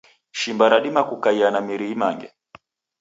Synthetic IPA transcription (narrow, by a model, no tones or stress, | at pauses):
ʃimbaɾaɗimakukaianamiɾiimaŋɡɛ